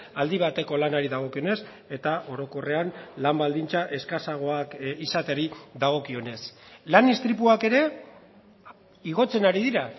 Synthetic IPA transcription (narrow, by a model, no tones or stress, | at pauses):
ald̪iβ̞at̪e̞ko̞lanaɾiðaɣ̞o̞kio̞ne̞s | e̞t̪aʔo̞ɾo̞ko̞re̞anlambald̪int͡saʔe̞skasaɣ̞o̞akisat̪eɾiðaɣ̞o̞kio̞ne̞slanist̪ɾip̬uake̞ɾe̞ | iɣ̞o̞t͡se̞naɾiðiɾa